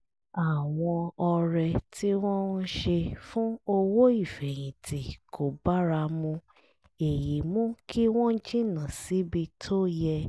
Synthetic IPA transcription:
a˨w̃ɔ̃˧ɔ˧ɾɛ˧tʰi˦w̃ɔ̃˦n˦ʃe˧fũ˦o˧wo˦i˦˨fɛ˨j̃ĩ˨ti˨kʰo˨ba˦ɾa˧mũ˧ | e˨ji˨˦mũ˦kʰi˦w̃ɔ̃˦d͡ʒĩ˦˨nã˨si˨˦bi˧tʰo˦jɛ˧

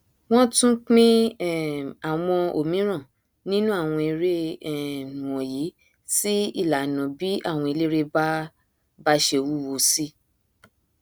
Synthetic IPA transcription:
w̃ɔ̃˦tũ˦k͡pĩ˦˨ | a˨w̃ɔ̃˧o˨mĩ˨˦ɾ̃ã˦˨ | nĩ˦nũ˦a˦˨w̃ɔ̃˧i˧ɾe˦˨nũ˨wɔ̃˨ji˨˦ | si˦i˦˨la˨nɔ̃˨bi˨˦a˦˨w̃ɔ̃˧i˧le˦ɾe˦ba˦ | ba˦ʃe˧wu˦wo˧si˦

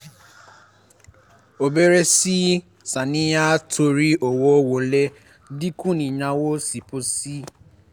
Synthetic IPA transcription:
o˨be˦ɾe˦si˦ | sa˨nĩ˦ja˦tʰo˨ɾi˦o˨wo˦wo˨le˦ | di˦kũ˦nĩ˨ɲã˨wo˦si˨po˦si˦

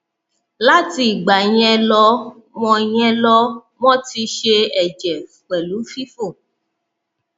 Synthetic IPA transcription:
la˦ti˧˦i˨ɡ͡ba˨j̃ɛ̃˧lɔ˧ | mɔ̃˧j̃ɛ̃˦lɔ˦ | mɔ̃˦ti˧ʃe˧ɛ˨d͡ʒɛ˨ | k͡pɛ˨lu˨˦fi˦fo˦˨

